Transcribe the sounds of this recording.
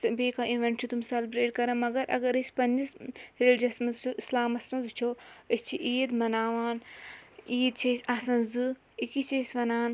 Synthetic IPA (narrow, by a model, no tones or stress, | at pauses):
sɐbeːkaiʋeɳʈt͡ʃʰut̪umsɐlbɾeːʈkɐɾɐmɐɡɐɾʔɐ̰ɡɐɾɐsʲpɐnd͡ʒisɾeld͡ʒɐsmɐzt͡ʃʰoʔislaːmɐsmɐzut͡ʃʰoəst͡ʃʰiʔiːd̪mɐnaːʋaːn | iːd̪̚t͡ʃʰɐsʲaːsɐ̃nzɨ | ikit͡ʃʰɐsʲʋɐnaːn